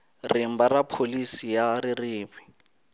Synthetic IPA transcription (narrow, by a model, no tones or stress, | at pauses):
rɪm̩barapʰolisijarɪrɪːβi